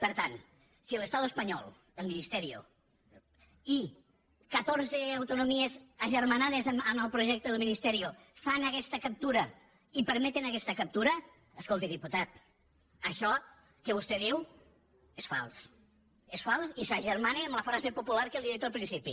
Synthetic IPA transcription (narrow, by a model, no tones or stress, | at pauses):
pəɾt̪an | siələst̪aðuəspəɲɔ̰lˠ | əlˠminist̪ɛɾio̰ | i | kət̪oɾzeawt̪unumiezəʒəɾmanaðezəməlˠpɾuʒɛk̚t̪əðəlˠminist̪ɛɾio | fanəkɛst̪əkəp̚t̪uɾɐ | ipəɾmɛt̪enəkɛst̪əkɐp̚t̪uɾɐː | skolˠt̪iðiput̪at̪̚ | əʃɔ | kəβust̪ɛðiw | esfa̰lˠs | esfalˠsisaʒəɾmaneəmləfɾazepupulaɾkeliiðit̪əlˠpɾinsipi